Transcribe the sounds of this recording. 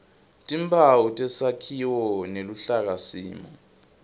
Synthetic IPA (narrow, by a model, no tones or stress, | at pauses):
tʼimbʰawutʼɛsakʰiwɔneluɬak̬asḭːmɔ